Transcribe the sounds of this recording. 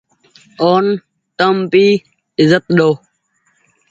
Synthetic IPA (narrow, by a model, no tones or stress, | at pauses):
oːn | t̪əmpiː | ɪzət̪̚ɗoː